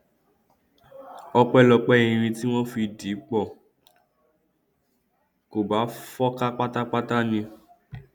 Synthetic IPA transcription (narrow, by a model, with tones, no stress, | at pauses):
ɔ˧k͡pɛ˦lɔ˧k͡pɛ˦ĩ˧ɾ̃ĩ˧ti˦w̃ɔ̃˦fi˧di˨˦k͡pɔ˦˨ | ko˨ba˨˦fɔ˦ka˦k͡pa˦ta˦k͡pa˦ta˦nĩ˧